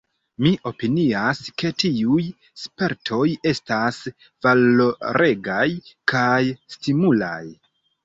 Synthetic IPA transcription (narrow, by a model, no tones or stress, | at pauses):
miʔo̞piniaske̞tiuj | spe̞ɾtʰo̞je̞stas | valoɾʔe̞ɡajkʰajstimula̰j